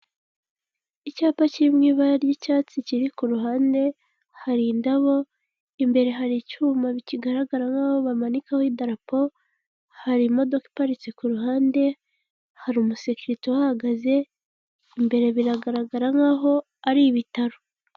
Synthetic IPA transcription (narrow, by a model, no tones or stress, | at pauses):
icaːpaciimŋiːβaɾjicaːt͡siciɾikuɾuɦaːnde̞ | haɾindaβo̞ | imbe̞ɾe̞ɦaɾicuːmaβiciɡaɾaɡaɾaŋaːho̞βamanikahoidaɾapo̞ | haɾimo̞do̞ki̥paɾit͡sekuɾuɦaːnde̞ | haɾumusekiɾitowahaɡaze̞ | imbe̞ɾe̞βiɾaɡaɾaɡaɾaŋaːɦo̞ | aɾiβitaɾo